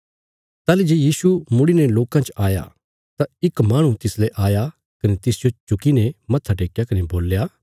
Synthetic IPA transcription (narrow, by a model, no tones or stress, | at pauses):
t̪aːlid͡ʒeːjiːsumʊɽinɛloːkãt͡ʃaːja̰ | t̪ãɪkmaːɽ̃ũt̪ɪslɛʔaːja | kɐnet̪ɪsd͡ʒot͡ʃʊkinɛmɐt̪ʰːaʈ̬eːkjakɐneboːljaː